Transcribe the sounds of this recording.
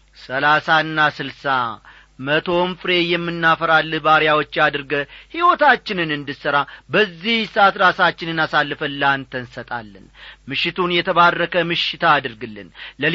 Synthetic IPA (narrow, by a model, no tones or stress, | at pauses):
səlasaɨnːasɨlsa̰ | mət̪ʰo̞mfɨɾe̞jɛmːɨnːafəɾalːbaɾjawot͡ʃːad̪ɨɾɡəhiwot̪ʰat͡ʃːɪnɨnɨnd̪ɨsəɾabəzːihsat̪ɾasat͡ʃːɪnɨnasalːɨfəlant̪ʰənsət̪ʼa̰lːə̰nmɨʃːɪt̪ʰunjɛt̪ʰəβarːəkʰəmɨʃɪt̪ʰaːd̪ɨɾɡɨlːɨ̰nlə